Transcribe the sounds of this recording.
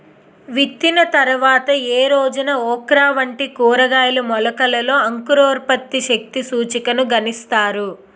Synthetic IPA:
ʋit̪ːinɐt̪ɐɾuʋaːt̪ɐeːɾoːd͡ʒunɐɔːkɾaːʋɐɳʈikuːɾɐɡaːjɐlumɔlɐkɐlɐlo̞ːɐŋkuɾoːɾpɐt̪ːiʃɐk̚t̪isuːt͡ʃikɐnuɡɐnist̪aːɾu

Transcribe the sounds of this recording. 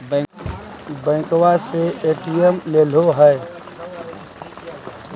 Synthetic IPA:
bə̃ɪkwaseeːʈiemleːl̤oɦɛ

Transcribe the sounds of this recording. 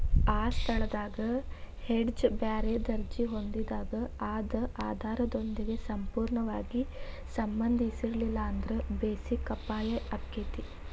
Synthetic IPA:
aːst̪ʰɐɭɐd̪aːɡɐheɖd͡ʒbaːɾed̪ɐɾd͡ʒiɦo̞nd̪id̪aːɡɐaːd̪ɐʔaːd̪ʱaːɾɐd̪o̞nd̪iɡe̞sɐmpuːɾɳɐʋaːɡi | sɐmbɐnd̪ʱisiɾɐlilːɐɐnd̪ɾebeːsikːɐpːaːleʔɐpket̪i

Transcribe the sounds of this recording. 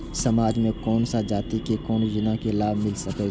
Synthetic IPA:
sɐmaːd͡ʒmẽkɔːnsad͡ʒaːt̪ikekɔːnjɪnakelaːbʱmɪlsɐke

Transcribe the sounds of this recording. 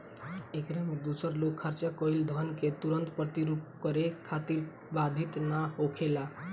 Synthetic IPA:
ekɾamed̪usəɾlokʰːəɾt͡ʃakɔild̪ʱənket̪uɾənt̪pɾət̪iɾup̚kəɾekʰat̪iɾ | bad̪ʱit̪naɦokʰela

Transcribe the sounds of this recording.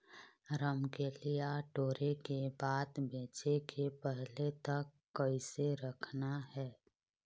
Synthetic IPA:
ɾəmkelijaʈoːɾekebaːt̪beːt͡ʃekʰepɛɦlet̪ɐkːɐiseɾɐkʰnaɦɛː

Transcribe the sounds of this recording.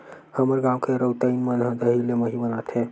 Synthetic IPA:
həməɾɡamkeɾəwt̪əinmənɦə̃d̪əɦileməɦibənat̪ʰe

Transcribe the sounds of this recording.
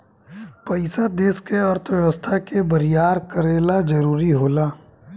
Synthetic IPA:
pəɪsad̪eːskeəɾt̪ʰʋjɐʋəst̪ʰakebəɾijaːɾkəɾeːlad͡ʒɐɾuːɾiɦoːlaː

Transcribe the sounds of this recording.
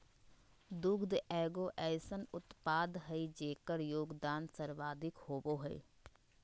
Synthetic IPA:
d̪ʊɡd̪ɛːɡoːʔɛːsənʊt̪paːd̪ɦəid͡ʒeːkəɾjoːɡd̪aːnsəɾʋaːd̪ʱɪkhoːboɦɛ̰ː

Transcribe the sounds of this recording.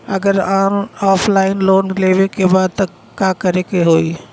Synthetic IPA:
ɐɡəɾãːñaːfʰlaːɪnloːnleːʋekʰebaːd̪̚t̪ɐ | kaːkɐɾekeɦoːiː

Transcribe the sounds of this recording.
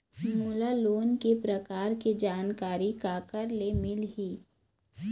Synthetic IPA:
mulaloːnkepɾɐkaːɾked͡ʒaːnkaːɾikaːkəɾlemɪlɦiː

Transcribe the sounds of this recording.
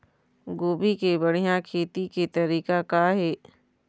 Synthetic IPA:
ɡoːbʱikebɐɽ̤ijãkʰeːt̪iket̪ɐɾiːkakaɦɛː

